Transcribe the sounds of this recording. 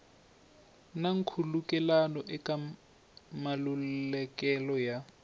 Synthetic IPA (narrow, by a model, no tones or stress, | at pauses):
naŋ̩kʰulukʼɛlanɔʔɪkʼa | malul̩lɛkʼɛlɔja